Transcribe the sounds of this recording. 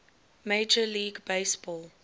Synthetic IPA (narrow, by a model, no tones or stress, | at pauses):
meɪd͡ʒəliːɡbeɪsb̥ɔːl